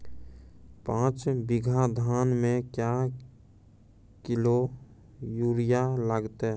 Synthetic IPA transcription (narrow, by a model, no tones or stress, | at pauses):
pãːt͡ʃbɪɡʱad̪ʱaːnmẽkja | kɪlo | juɾijaləɡt̪e